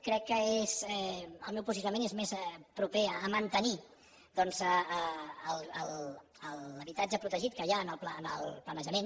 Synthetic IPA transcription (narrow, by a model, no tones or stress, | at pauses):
kɾɛkːəezɛəlˠmɛwpuzisunəmenezmezpɾupeəːmənt̪əni | d̪ɔnzəəːlˠəlˠ | ələβit̪ad͡ʒəpɾut̪əʒit̪̚kəjaənəlˠplaənə̰lˠplənəʒəmen